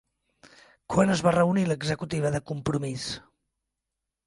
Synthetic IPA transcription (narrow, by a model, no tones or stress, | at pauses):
kwanəzβarəuniləɡzəkut̪iβəðəkumpɾumis